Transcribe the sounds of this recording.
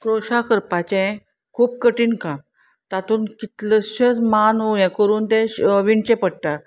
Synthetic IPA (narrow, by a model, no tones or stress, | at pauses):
kɾoɕakəɾpat͡ɕɛ̃ | kʰuːp̚kəʈiːnkãm | t̪at̪uːnkit̪ləɕət͡smanojɛ̃kəɾuːnt̪ɛ̃ʋiɳt͡ɕɛ̃pəɽʈ̪a